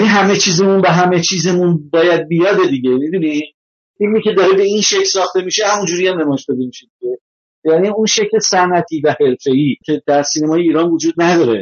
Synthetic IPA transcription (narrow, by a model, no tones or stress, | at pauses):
æniɦæme̞t͡ʃʰiːzemunbeɦæme̞t͡ʃʰiːzemunbɒːjæd̪̚bijɒd̪e̞d̪iɟʲe̞mid̪uni | filmiːcʲe̞d̪ɒːɾebe̞inʃe̞cʰlsɒːxt̪e̞miʃehæmund͡ʒuːɾijæmnemɒːjeʃd̪ɒd̪emiʃe̞d̪iɡe̞ | ejæniunʃe̞cʰle̞sænæt̪ʰiːvæhe̞ɾfe̞iːcʲʰed̪æɾsiːnemɒːje̞iːɾɒnvod͡ʒuːd̪̚næd̪ɒːɾe̞